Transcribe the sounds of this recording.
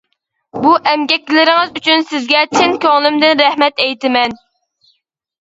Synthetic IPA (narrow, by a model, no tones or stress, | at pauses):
buʔɛmɡʲɛkʲːlɪɾɪŋɪzyt͡ʃʰynsɪzɡʲɛt͡ʃʰɪnkʲɑŋlˠɨmd̪ɪnɾɛhmɛt̪ɛjt̪ɪmɛn